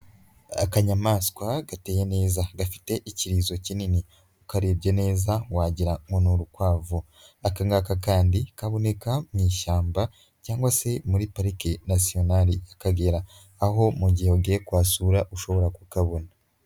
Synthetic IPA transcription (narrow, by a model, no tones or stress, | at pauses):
a̰kaɲamaːskwaɡate̞ːje̞ne̞ːzaɡafi̥te̞ʔiciɾiːzo̞cinini | ukaɾebɟene̞ːzawaːɟiɾaŋɡo̞nuɾukwaːvu | akaŋɡakakaːndikaβo̞ne̞kamŋiːʃaːmba | caːŋɡwase̞muɾipaɾikinasio̞naɾijakaɡe̞ɾaː | ho̞muɟiheuɡiekwaːsuɾaʔuʃo̞βo̞ɾakukaβo̞na